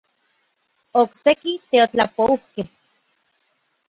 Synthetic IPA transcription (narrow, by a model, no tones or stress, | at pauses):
oksekit̪eot͡ɬapouhkeh